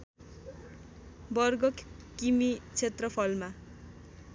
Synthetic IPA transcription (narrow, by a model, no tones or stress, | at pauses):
bʌrɡʌkː | imit͡sʰet̪rʌpʰʌlma